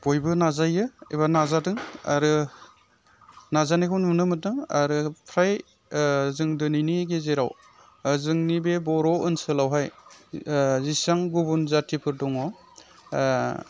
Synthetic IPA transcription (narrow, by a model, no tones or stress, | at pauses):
b̥ojbɯnazajɯeβanazadɯŋa̰ɾɯ | nazanekʰuwnmunɯmɯt̚dɯŋaɾɯpʰɾaj | zɯŋdɯnijniɡezeɾaw | zɯŋnibebɔɾɔɯnsɯlawɦaj | zisaŋɡubunzatʰipʰɯɾdɔŋɔ